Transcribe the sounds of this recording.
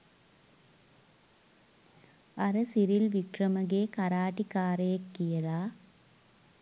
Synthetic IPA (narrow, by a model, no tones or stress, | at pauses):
ɐɾɐsiɾilʋikrɐmɐɣeːkɐɾaːʈːikaːɾeːkːijɐlaː